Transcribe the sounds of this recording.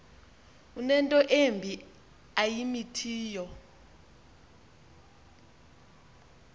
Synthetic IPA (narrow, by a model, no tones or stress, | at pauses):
unɛntʼɔʔembʱi | ajimitʰiːjɔ